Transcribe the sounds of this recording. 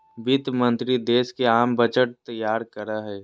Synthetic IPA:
bɪt̪mə̃nt̪ɾid̪eːskeaːmbət͡ʃəʈ̚t̪əjaːɾkəɾaɦɛː

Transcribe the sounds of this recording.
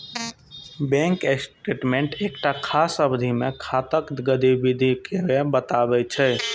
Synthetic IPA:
bɛ̃ŋkesʈɾeʈmẽɳʈekʈakʰasəbd̪ʱimekʰat̪əkɡəd̪ibid̪ʱikebebət̪abɛt͡ʃʰɛ

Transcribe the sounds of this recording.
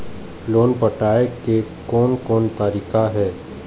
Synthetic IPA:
loːnpəʈaːekekɔːnkɔːnt̪aːɾiːkaɦɛː

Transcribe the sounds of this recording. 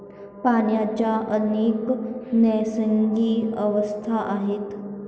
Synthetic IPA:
paɳjat͡ɕjaʔəneːknəjsəŋɡiːəʋəst̪ʰaʔaɦet̪

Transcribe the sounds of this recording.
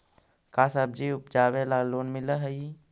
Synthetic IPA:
kaːsab̚d͡ʒiʊp̚d͡ʒaːwelaːloːnmɪləɦəi

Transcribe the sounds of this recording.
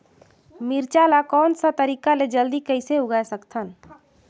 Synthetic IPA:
miɾt͡ʃalakɔːnsat̪əɾiːkaled͡ʒəld̪ikəɪseʊɡajsəkt̪ʰən

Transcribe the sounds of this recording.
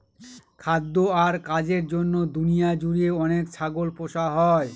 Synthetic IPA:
kʰad̪ːoaɾkad͡ʑeɾd͡ʑonːod̪unijad͡ʑuɾieɔnekt͡ɕʰaɡolpoʃaɦɔe

